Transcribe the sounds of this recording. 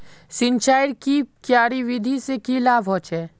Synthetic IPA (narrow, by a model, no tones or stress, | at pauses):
sɪ̃nt͡ʃaːjɪɽkikjaːɾiʋɪd̪ʱisekilaːbɦot͡ʃɛː